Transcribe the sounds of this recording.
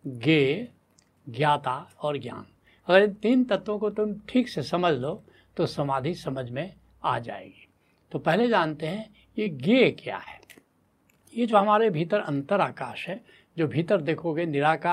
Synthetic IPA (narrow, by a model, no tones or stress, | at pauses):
ɡeː | ɡjaːt̪aɔːɾɡja̰ːn | ɐɡəɾɪ̃nt̪iːnt̪ɐt̪ʋõkot̪ʊmʈʰiːksesɐməd͡ʒʱlo | t̪osɐmaːd̪ʱisɐməd͡ʒʱmẽ | a̰d͡ʒa̰ːḛːɡiː | t̪opɛɦled͡ʒaːnt̪eɦɛ̃ | jeɡekja̰ːɦɛː | jed͡ʒoːɦɐmaːɾebʱiːt̪əɾɐ̰̃nt̪əɾaːkaːʃɦɛ | d͡ʒoːbʱiːt̪əɾd̪eːkʰoɡenɪɾaːka